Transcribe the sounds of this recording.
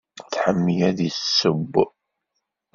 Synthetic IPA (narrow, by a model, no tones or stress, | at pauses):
θħəmːijæðisːəbː